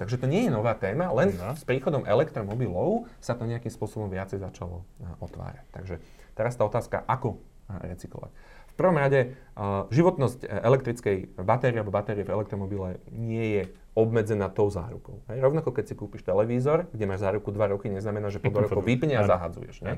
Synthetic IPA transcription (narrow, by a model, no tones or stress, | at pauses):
t̪aɡʒɛt̪ɔɲɪɛjɛnɔʋaːt̪ɛːmalɛnspɾiːxɔd̪ɔmʔɛlɛkt̪ɾɔmɔbilɔʊsat̪ɔɲɛakimspʊɔsɔbɔmʋɪat͡sɛjzat͡ʃalɔ̰ɔt̪ʋa̰ːɾac̚t̪a̰ɡʒɛ | t̪ɛɾast̪aːɔt̪aːska̰ʔakɔ | ɾɛt͡siklɔ̰ʋa̰c | fpr̩ʋɔmɾaɟɛ | ʒiʋɔt̪nɔscɛlɛkt̪ɾit͡skɛjbat̪ɛɾialbɔbat̪ɛɾiɛvɛlɛkt̪ɾɔmɔbilɛɲɪɛjɛ | ɔbmɛd͡zɛnaːt̪ɔʊza̰ːɾukɔʊɦɛjɾɔʊnakɔkɛcsikuːpiʃt̪ɛlɛʋiːzɔɾɡɟɛmaːʒzaːɾukud̪ʋaɾɔkiɲɛznamɛnaːʒɛpɔd̪ɔɾɔkɔʋipɲɛazaɦa̰ːd͡zṵjɛ̰ʒ̥ɲɛ